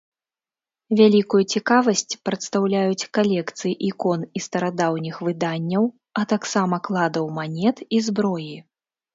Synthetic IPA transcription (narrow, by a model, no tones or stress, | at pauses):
vʲalʲikujut͡sʲikavɐsʲt͡sʲpɾɐt̪st̪awlʲajut͡sʲkalʲɛkt̪sɨjiʔikɔnist̪ɐɾad̪awnʲixvɨd̪anʲːɐw | ɐt̪aksamɐklˠad̪ɐwmanʲɛt̪izbɾɔji